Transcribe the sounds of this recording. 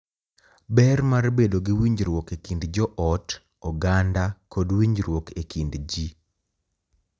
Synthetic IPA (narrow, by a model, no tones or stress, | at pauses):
bɛrmarbedoɡɪwiɲd͡ʒɾwɔkekindd͡ʒɔʔɔt | ɔɡandakɔdwiɲd͡ʒɾwɔkekindd͡ʒi